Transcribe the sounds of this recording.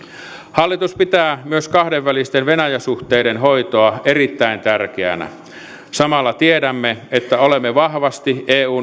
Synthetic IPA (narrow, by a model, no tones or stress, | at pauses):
hɑlːit̪uspit̪æːmyøskɑhdeʋʋælist̪enʋenæjæsuht̪eːɾenɦoit̪oɑerit̪ːæint̪ærkeæ̰næ̰ | sɑmɑlːɑt̪iedæmːeet̪ːæolemːeʋɑhʋɑst̪iʔeːuː